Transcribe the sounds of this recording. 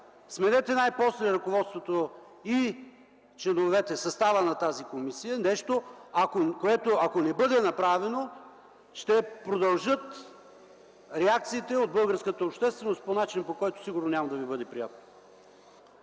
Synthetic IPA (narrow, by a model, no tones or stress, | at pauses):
smɛd̪ɛt̪ɛnajposlɛɾɐkovɔt̪st̪vot̪o | i | t͡ʃlɛnovɛt̪ɛsɐst̪avənɐt̪azikomisijənɛʃt̪oɐkokoɛt̪oɐkonɛbɤd̪ɛnɐpɾavɛno | ʃt̪ɛpɾod̪ɐlˠʒɤt̪ | ɾɛak̚t̪siːt̪ɛod̪̚bɤlˠɡəɾskət̪əopʃt̪ɛst̪vɛnost̪̚ponat͡ʃinpokɔjt̪o̥siɡʊɾnonʲamɐd̪ɐvibɤd̪ɛpɾija̰t̪̚no̥